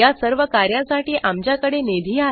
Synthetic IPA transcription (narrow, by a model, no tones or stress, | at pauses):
jasəɾʋəkaɾjasaʈiːʔʔamt͡ɕjakəɽened̪ʱiːa